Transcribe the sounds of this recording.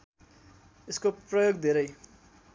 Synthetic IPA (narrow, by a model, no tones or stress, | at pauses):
eskoprʌjoɡd̪ʱeɾʌj